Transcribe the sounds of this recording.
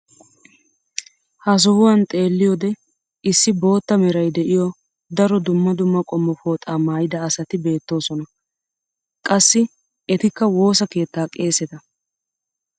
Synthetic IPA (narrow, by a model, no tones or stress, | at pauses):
hɐs̬ɔhʊwɐnt̪ʼe̞ːlːɪjɔd̪ɛ | ɪsːɪbo̞ːt̪ːɐmɛɾɐjd̪ɛʔɪjɔ | d̪ɐɾɔd̪ʊmːɐd̪ʊmːɐkʼɔmːɔfoːt̪ʼaːmaːjɪd̪ɐːsɐt̪ɪbe̞ːt̪ːo̞ːsɔnɐ | kʼɐsːɪ | ɛt̪ɪkːɐwo̞ːsɐke̞ːt̪ːaːkʼe̞ːsɛt̪ɐ